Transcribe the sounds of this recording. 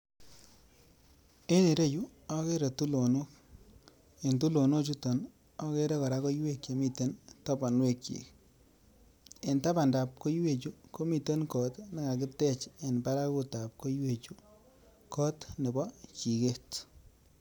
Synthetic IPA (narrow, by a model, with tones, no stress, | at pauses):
e˦ne˨ɾe˦ju˦ɔ˦ke˦ɾe˨tu˦lo˨no˦k | e˨ntu˦lo˨no˦t͡ʃu˦tɔ˨n | ɔ˦ke˦ɾe˦kɔ˨ɾa˦ko˦jwe˦kje˨mi˦te˦nta˦ba˨nwe˦kt͡ʃḭ˨k | e˨nta˦ba˨nda˨p̚ko˦jwe˦˨t͡ʃu˦ko˦mi˨te˦nkɔ˨tna˦ka˨kɪ˦tɛ˦t͡ʃe˨npa˦ɾa˦ku˦ta˨p̚ko˦jwe˨t͡ʃu˦ | kɔ˦tnɪ˨bɔ˦t͡ʃi˨ke˦t